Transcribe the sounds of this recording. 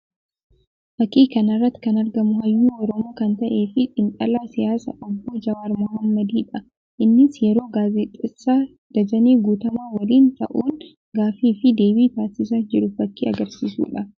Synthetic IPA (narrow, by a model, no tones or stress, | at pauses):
fɐkːiːkɐnɐrːɐt̪ːɪ̥kɐnɐɾɡɐmʊɦɐjːuːʔɔɾomɐkɐnt̪ɐʔe̞ːfɪᶑʼɪŋkʼɐlaːsɪjaːsɐ̰ʔɐbːoːd͡ʒɐwaːɾmɔɦɐmːɐd̪iːᶑɐ | ʔɪnːɪsjɛɾo̞ːɡaːzɛt̪ʼːɪsːaː | d̪̥ɐd͡ʒɐneːɡuːt̪ɐmaːwɐliːnt̪ɐ̰ʔuːn | ɡaːfiːfɪd̪e̞ːbiːt̪aːsɪs̬ad͡ʒɪɾʊfɐkːḭːɐɡɐɾsiːsṵːᶑɐ